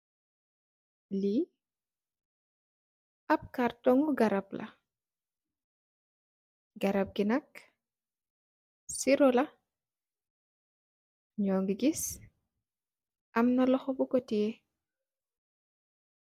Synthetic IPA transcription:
li | ʔɐp̚kartɔŋɡuɡɐɾɐplʔɐ̰ | ɡɐɾɐp̚ɡinɐk | siɾɔlɐ | ɲɔːŋɡiɡis | ʔɐmnɐlɔxɔbukɔtie

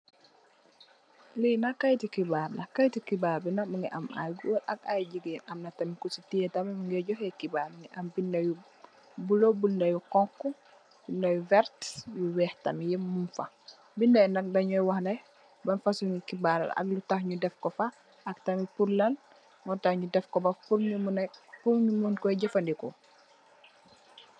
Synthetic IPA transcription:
linakajtikibaɾnɐkajtikibaɾbinamuŋɡɛ̰ʔa̰mʔa̰jɡulɐk̚ajd͡ʒiɡɛnʔamnɐtamikusitiɛtamɛmuŋɡɛɟɔhɛkibaːɾmiŋɡɛʔɐmbindaju | bulobulndajukɔŋkːɔ | b̥indajuvɛɾtjuwɛːhtamijɛmunfa | bindajndɐk̚daɲɔjwahnaj | bɐnfasuŋɡikibaɾa̰la̰k̚lutaxɲudɛfkɔfa | ɐk̚tɐmipuɾlɐn | ŋɡɔtahɲudɛfkɔbɐfpuɾɲumunapumɲumunkɔjɟɛfandikɔ

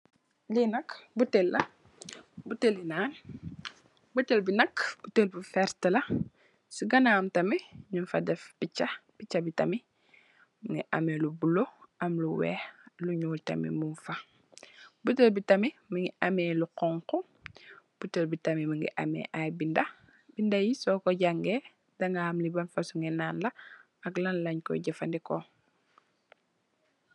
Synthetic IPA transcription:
linɐkbutelːɐ | butelinaːn | butelbinɐkb̥utelbifɛɾtəlɐ | suɡɐnaːmtɐmiɲunfɐdɛfpicːɐpicːɐbitɐmi | miŋɡiʔɐmelubuloʔɐmluwɛ̰ːhluɲuːltɐ̰mḭmunfa | butəlbitɐmimiŋiamɛluqɔŋku | b̥utəlbitɐmimiŋɡḭʔa̰mɛ̰ːʔajbindɐ | bindajisɔkɔɟaŋɡe | dɐŋɡahamlibɐnfasuŋɛnaːnlɐ | ɐklɐnlɐɲkɔ̰ɟɐfandikɔ

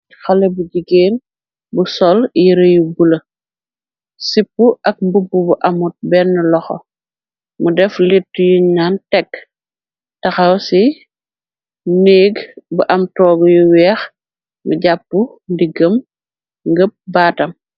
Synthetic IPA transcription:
xɐlɐbuɟiɡeːn | busɔljiɾɐjubulɐ | sipːuʔɐk̚mbubːubuʔɐmut̚bɛnːəlɔxɔ̰ | mudɛflitːujuɲaːntɛkː | tɐxɐwsi | neːɡbuʔɐmtɔːɡujuwɛːx | muɟapːu | ndiɡəm | ŋɡəp̚baːtɐm

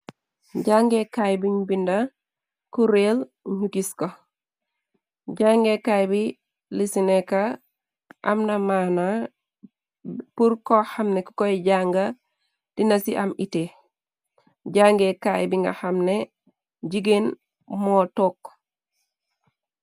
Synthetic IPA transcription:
ɟaŋɡekajbiɲbinda | kuɾelɲukisko | ɟaŋɡekajbi | lisineka | ʔa̰mnamana | puɾkohamneku̥koɟaŋɡa | d̥inasiʔamite | ɟaŋɡekajbiŋɡa̰hamne | ɟiɡen | motok

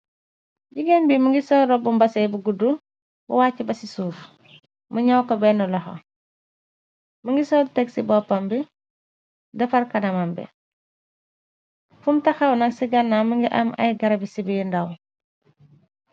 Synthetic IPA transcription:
ɟiɡenbimuŋɡisɔːɾɔbumbɐsɛbuɡudu | bṵwaːcːibɐsisuːf | muɲawkɔbɛnɔlɔho̰ | muŋɡisɔlteɡsibɔpambi | dɐfɐɾkɐnɐmambɛ̰ | fumtaxawnɐksiɡanːamuŋɡiʔa̰mɐ̰jɡɐɾɐbisibindaw

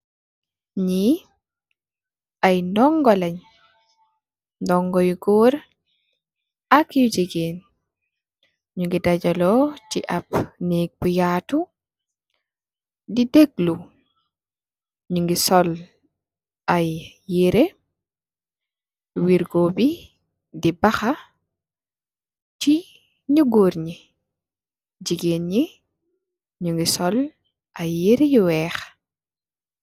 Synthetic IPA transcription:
ɲi | ʔajnɔŋɡɔlaɲ | ndɔŋɡɔjɡɔːɾ | akiwd͡ʒiɡen | ɲuŋɡidad͡ʒalɔtiʔapneɡ̚bujaːtu | dideɡlu | ɲuŋɡisɔl | aj | jeɾe | wiɾɡobi | dibɐxa | t͡ʃi | ɲuɡoɾɲi | d͡ʒiɡenɲi | ɲuŋɡisɔl | ʔajːeɾejuwɛːx

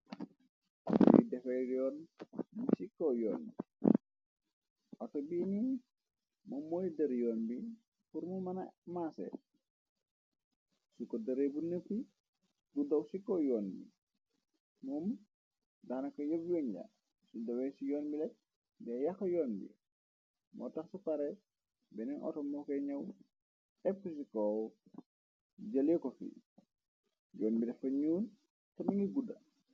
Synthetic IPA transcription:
tɔ̰jidɛfɛɾjɔːnmisikɔjɔːnbi | ʔɔtɐbiːni | mɐmːɔjdɐɾjɔːnbi | fuɾmumɐnɐmaːsɛ̰ | sukɔdɐɾebunəfi | budɐwsikɔjɔːnbḭ | muːm | daːnɐkɐjɐbjɔːɲɟa̰ | sudɐwɛsijɔːnbilɛt̚ | bɛjɐxɐjɔːnbḭ | mɔ̰ːtɐxsupɐɾɛ | bɛnɛnʔɔ̰tɔmɔkɛɲɐw | ɛp̚kus̬ikɔ | d͡ʒɐlɛkɔfḭ | jɔːnbidɛfɐɲuːn | tɐmiŋɡiɡudɐ

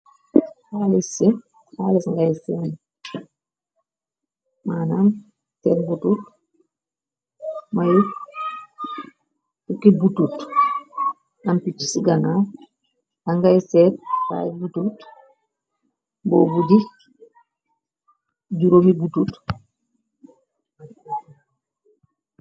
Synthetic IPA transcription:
halisi | haːlisŋɡajsɛn | manan | tɛɾbutut | maju | tukːibutut | nampit͡ʃːi̥siɡana | ʔaŋɡajsɛt̚ta̰jbutut | boːbudi | ɟuɾomibutut

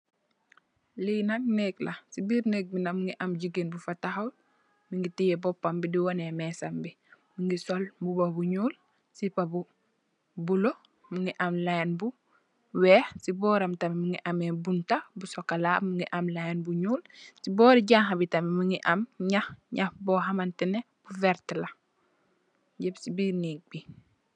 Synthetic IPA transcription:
liːnaŋneklasibiːɾnek̚binɐmuŋɡiʔɐmɟiɡenbufataxaw | miŋɡitijebɔpːambidiwɔnemɛːsambi | muŋɡisɔlbubobuɲuːl | sipabu | bulo | muŋiʔamlajnbu | wɛxsibɔːɾamtamimiŋɡiʔamebuntabusokalamuŋɡiʔamlajnbuɲuːlsibɔːɾiɟaŋɦabitamimiŋɡiʔamɲahɲahbɔɦamantine | b̥uveɾtla | ɟebsibinik̚bi

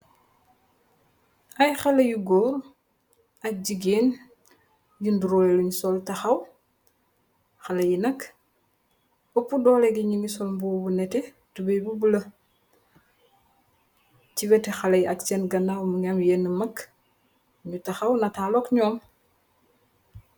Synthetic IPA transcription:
ɐjxɐlɐjuɡɔːɾ | ɐk̚ɟiɡeːn | jinduɾɔɛluɲusɔltɐxɐw | xɐlɐjinɐk | opːudɔːlɛɡiɲiŋisɔlmbuːbunɛtɛ | tubɐjbubulɐ | ciβɛtɛxɐlɐjɐkt͡ʃɛnɡɐnawmuŋɐmjɛnəmɐk | ɲutɐxɐwnɐtaːlɔkɲɔːm

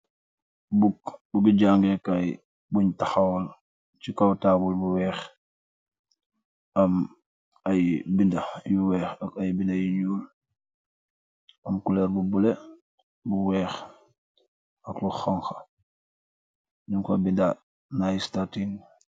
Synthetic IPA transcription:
bubuɡiɟaŋɡekaj | buɲtaxawɔl | t͡ʃikawtaːbulbuwɛːx | ɐm | ajbindajuwɛːxɐkajbindajiɲuːl | ɐmkulɛːɾbubule | buwɛːx | ɐkluxaŋxa | nuŋkabinda | najistatin

